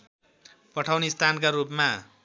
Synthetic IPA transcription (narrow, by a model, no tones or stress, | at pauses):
pʌʈʰawnist̪ʰankaɾupma